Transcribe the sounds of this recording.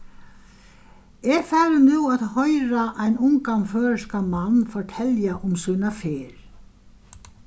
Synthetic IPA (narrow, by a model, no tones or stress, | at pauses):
ɛfɛːɾʏnʉːaðhɔjɾaʔajnʊŋkanfœːskamanːfɔɹʈʰɛljaʔʊmsuːnafɪːɾ̥